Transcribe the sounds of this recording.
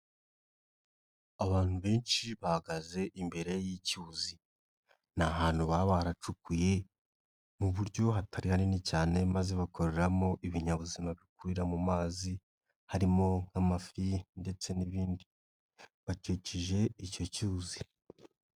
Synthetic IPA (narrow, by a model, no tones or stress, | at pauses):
aβaːn̥huβe̞ːnʃiβahaɡaze̞ʔimbe̞ɾe̞jicuːzi | naɦaːn̥huβaβaɾat͡ʃukuje̞ | muβuɾjo̞ɦatʰaɾihaninicaːne̞maze̞βakʰo̞ɾe̞ɾamo̞ʔiβiɲaβuzimaβikuiɾamumaːzi | haɾimo̞ŋ̥hamafinde̞t͡se̞niβiːndi | βat͡ʃiːciʒe̞ico̞cuzi